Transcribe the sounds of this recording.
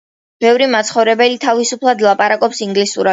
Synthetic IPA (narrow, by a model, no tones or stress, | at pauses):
b̥ɛvɾimat̪sχɔvɾɛbɛlit̪ʰavisupʰlˠad̪lˠapʼaɾakʼɔpsiŋɡlisuɾa